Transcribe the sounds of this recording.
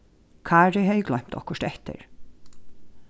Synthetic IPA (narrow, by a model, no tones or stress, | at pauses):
kʰaːɹɪɦɛjɡlœɥm̥t̪ɔhkʊʂt̪ɛht̪ɪ̰ɹ